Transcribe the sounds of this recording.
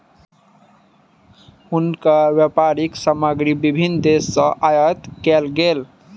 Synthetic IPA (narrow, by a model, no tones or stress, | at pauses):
hunkawjapaɾiksaməɡɾibibʱind̪esːə̃ʔajət̪kelɡel